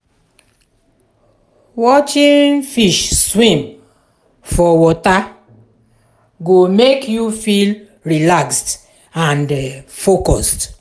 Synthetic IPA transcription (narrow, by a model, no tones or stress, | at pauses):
wɔt͡ʃĩnfiʃswĩm | fɔwɔta | ɡomekjufil | ɾilakst | ãndfokɔst